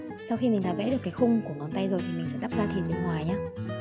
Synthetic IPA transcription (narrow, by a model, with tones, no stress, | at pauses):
sa˧wxi˧mi˨˩ŋa̰ː˨˩vḛ˧˥ɗɨ˨˩əkːaː˨˦jxʊ˧ŋ͡mku˧˩əŋɔ˨˦nt̪a˧jzo˨˩jt̪ʰi˨˩mï˨˩ŋ̟sɛ̰˧˥ɗa˦˥p̚zaː˧t̪ʰi˨˩ənɓi˧˨˩nɦwaː˨˩jɲaː˧